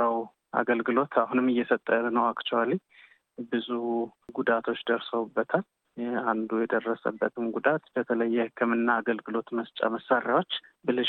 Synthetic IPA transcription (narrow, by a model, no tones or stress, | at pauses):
əw | ʔa̰ɡəlɡɨlo̞t̪ʰahunɨmɨjːɛfət̪ʼːəɾnəwakt͡ʃɛwali | bɨzuɡud̪at̪ʰo̞t͡ʃːd̪əɾsəwubːət̪ʰal | and̪ujɛd̪ərːəsə̰bːət̪ʰɨmɡud̪at̪b̥ət̪ʰələjːɛhɨkʰːɨmɨnːaːɡəlɡɨlo̞t̪məst͡ʃʼa̰məsːaɾjawo̞t͡ʃːbɨlɨ